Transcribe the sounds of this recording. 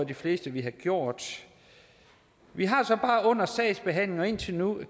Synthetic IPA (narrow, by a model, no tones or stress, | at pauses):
ɐd̥ifle̝̰ːsd̥əʋiɦɑ̈ɡ̥jo̝ɐ̰d̥ | ʋiɦɑ̈sɒ̽b̥ɑ̈ːʔɔ̽n̰ɐsɛɪsb̥e̝ɦæn̰le̝ŋɒ̽e̝n̰t͡sʰe̝nu